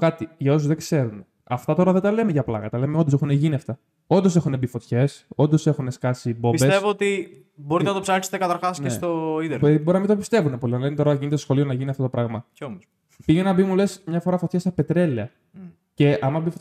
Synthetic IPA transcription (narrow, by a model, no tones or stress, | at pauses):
kɐt̪iʝɐo̞s̬uzðe̞kse̞ɾune | ɐft̪ɐt̪o̞ɾɐðed̪ɐle̞meʝɐplɐ̰ɣɐt̪ɐle̞meond̪ose̞xuneʝiniɐft̪ɐ | o̞nd̪o̞s̬e̞xunebifo̞t̪çe̞so̞nd̪ose̞xuneskɐsibo̞pisbe̞tevoot̪i | bo̞ɾit̪enɐt̪opsɐɾkse̥t̪ekɐt̪ɐɾxɐsneest̪oid̪eɾboɾinɐmind̪opist̪e̞vunepo̞liɐnɐlenet̪oɾɐʝinet̪esxo̞lio̞nɐʝiniɐft̪ot̪o̞pɾɐɣmɐcomos | piʝenenɐbimule̞smɲɐfo̞ɾɐfo̞t̪çesɐpet̪ɾe̞liɐ | ce̞ɐmɐbifo